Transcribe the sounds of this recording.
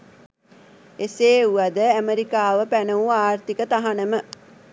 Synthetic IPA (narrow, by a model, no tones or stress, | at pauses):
eseːuad̪əæmeɾikaːʋəpænəuaːrt̪ikət̪aɦanəmə